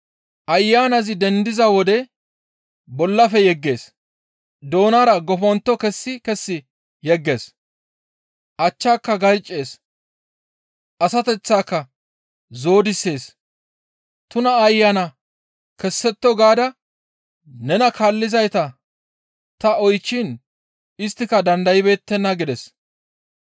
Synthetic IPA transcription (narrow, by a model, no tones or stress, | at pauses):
ʔɐjːaːnɐzɪd̪ɛnd̪ɪzɐwɔd̪ɛ | bɔlːɐfɛjɛɡːe̞ːs | d̪o̞ːnaːɾɐɡɔfɔnt̪ːɔkɛsːɪkɛsːɪ | jɛɡːe̞ːs | ʔɐt͡ʃːaːkːɐɡɐɾt͡ʃʼːe̞ːs | ʔɐsɐt̪ɛt͡sːaːkːɐ | zo̞ːd̪ɪsːe̞ːs | t̪ʊnɐːjːanɐ | kɛsːɛt̪ːɔɡaːd̪ɐ | nɛnɐkʰalːɪzɐjt̪ɐ | t̪ɐɔjt͡ʃːin | ɪst̪ːɪkɐd̪ɐnd̪ɐjɪbe̞ːt̪ːɛnːɐɡɪd̪ɛs